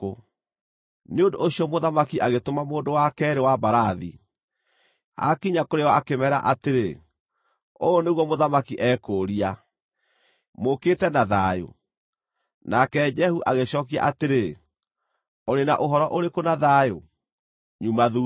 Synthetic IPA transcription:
o | neondoːɕiɔmoðamakiʔaɣetomamoːndowakɛɾewabaɾaðḭ | a̰kiɲakoɾeɔakemɛɾa̰ʔateɾe | oneɣwɔmoðamakiʔɛkoɾia | moketɛnaðajo̰ | nakɛd͡ʒɛhuʔaɣeɕɔːkia̰ʔateɾe | oɾena̰ʔoɦɔɾɔʔoɾekonaðajo | ɲumaðu

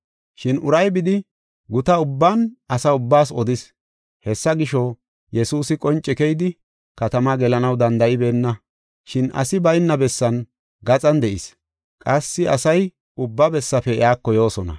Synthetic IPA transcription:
ʃɪnʔʊɾɐjbɪd̪ɪ | ɡʊt̪ɐʊbːanʔɐsɐʊbːaːs̬ɔd̪ɪs | hɛsːɐɡɪʃɔ | jɛsuːsɪkʼɔnt͡ʃʼːɛkɛjd̪ɪ | kɐt̪ɐmɐɡɛlɐnɐwd̪ɐnd̪ɐʔɪbe̞ːnːɐ | ʃɪnɐ̰sɪbɐjɪnːɐbɛsːɐn | ɡɐt͡sʼɐnd̪ɛʔɪs | kʼɐsːɪɐsɐj | ʊbːɐbɛsːɐfɛɪ̰aːkːɔjo̞ːsɔnɐ̰

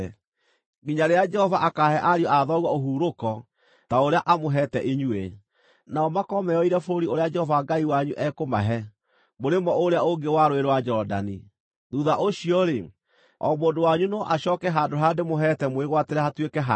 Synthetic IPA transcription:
ɡiɲaɾead͡ʒɛhɔvaʔakaːɦɛʔaɾiɔʔaðɔɣwɔoɦuːɾokɔ | taoɾeaʔamoɦɛtɛʔiɲue | naɔmakɔmɛɔiɾɛfoɾoɾioɾead͡ʒɛhɔvaŋɡaiwaɲuʔɛkoma̰ɦɛ | moɾemɔoɾeaoŋɡewaɾoeɾowad͡ʒɔda̰ni | ðuðaʔoɕiɔɾe | ɔ̰moːndowaɲunɔʔaɕɔːkɛɦandoɦademoɦɛtɛmweɣwateɾɛhatwekɛɦa

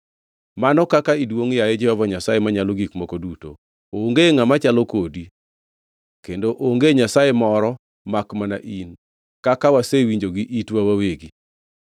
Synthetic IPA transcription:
manɔkakaidwoŋjajed͡ʒɛhɔvaɲasajemaɲalɔɡikmɔkoduto̰ | oŋɡeŋamat͡ʃalɔkodi | kendoʔoŋɡeɲasajemɔɾɔ | makmana̰ʔin | kakawasewiɲd͡ʒoɡiʔitwawaweɡi

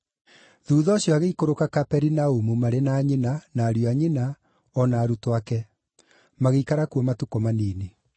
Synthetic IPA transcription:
ðuːðɔːɕjɔaɣeikoɾokakapɛɾinaumumaɾenaːɲenanaːɾjɔaɲena | ɔnaːɾutowakɛ | maɣeikaɾakuɔmatukɔmaniːne

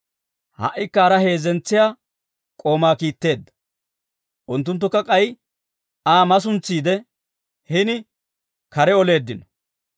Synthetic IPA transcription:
hɐ̰ʔːɪkːɐːɾɐhe̞ːzɛnt͡sːɪjaː | kʼo̞ːmaːkiːt̪ːe̞ːd̪ːɐ̥ | ʔʊnt̪̬ːʊnt̪ːʊkːɐkʼɐj | aːmɐs̬ʊnt͡sːiːd̪ɛ | hɪnɪ | kɐɾɛɔle̞ːd̪ːɪnɔ̥

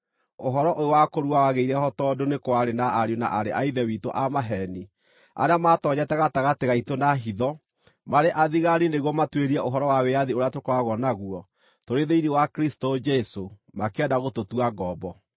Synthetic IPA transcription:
oɦɔɾɔʔoowakoɾuawaɣeiɾɛhɔtɔdonekwaɾenaʔaɾona̰ʔaɾḛʔaiðɛwito̰ʔamaɦɛni | a̰ɾeamatɔɲɛtɛɣataɣateɣaitonaɦiðɔ | maɾeʔaðiɣaɾineɣwɔmatweɾiɛʔoɦɔɾɔwaweaðioɾeatokoaɣɔnaɣuɔ | toɾeðeiniwakɾistod͡ʒɛso | makeɛdaɣototuaɡɔbɔ

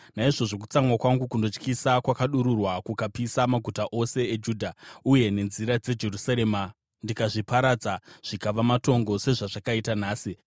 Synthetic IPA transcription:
naiʐo̞ʐo̞k̬u̥t͡samwakwaŋɡukundot͡ʃkisakwakaɗuɾurwakukapisamaɡʱutaʔo̞se̞ed͡ʒuːdʱauje̞ne̞nziɾad͡ze̞d͡ʒe̞rusaɾe̞ːma | ndikaʐipaɾad͡zaʐ̥ikaʋamato̞ŋɡo̞se̞ʐaʐakaitanaːsi

